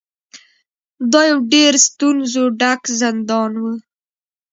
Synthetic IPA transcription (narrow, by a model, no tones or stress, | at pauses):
d̪ɑjawɖeɾst̪unzoɖakzɪnd̪ɑnwə